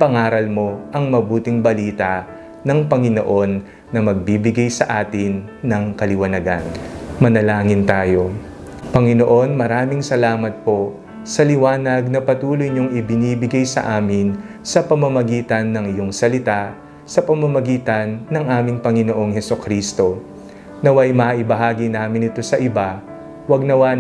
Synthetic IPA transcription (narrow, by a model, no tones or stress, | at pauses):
pɐŋaːɾɐlmo̞ʔɐŋmɐbuːt̪ɪŋbɐliːt̪ɐ | nɐŋpɐŋɪno̰ʔo̞nː | ɐmɐɡ̚biːbɪɡɐjsɐʔaːt̪ɪnːɐŋkɐlɪwɐnɐɡa̰nmɐnɐlaːŋɪnt̪aːjo̞ | pɐŋɪno̞ʔo̞nmɐɾaːmɪŋsɐlaːmɐt̪̚po̞ | sɐlɪwaːnɐɡ̚nɐpɐt̪uːlojɲoŋɪbɪniːbɪɡɐjsɐ̰ʔaːmɪn | sɐpɐmɐmɐɡiːt̪ɐnːɐŋɪjo̞ŋsɐlɪt̪a | sɐpɐmɐmɐɡiːt̪ɐnːɐŋʔaːmɪŋpɐŋɪno̞ʔo̞ŋhɛsʊkɾiːst̪o̞ | nɐwɐjmɐʔɪbɐɦaːɡinaːmɪnɪt̪o̞sɐʔɪba | wɐɡ̚nɐwa